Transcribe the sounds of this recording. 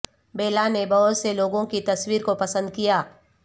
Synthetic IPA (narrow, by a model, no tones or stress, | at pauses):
beːlanebɐɦʊt̪seloːɡõkit̪ɐswiːɾkopɐsə̃nd̪̚kijaː